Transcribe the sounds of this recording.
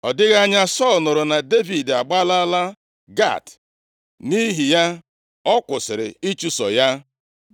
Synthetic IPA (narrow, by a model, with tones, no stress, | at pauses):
ɔ˨dɪ˦ɣa˦ɲa˦sɔ˦˨lnʊ˨ɾʊ˨na˨de˦vi˨da˨ɡ͡ba˦la˦la˦ | ɡa̰˦˨t | ni˦ɦi˨ja˦ | ɔ˦kʷʊ˨sɪ˨ɾɪ̰˨i˦t͡ʃu˦sɔ̰˨ja˦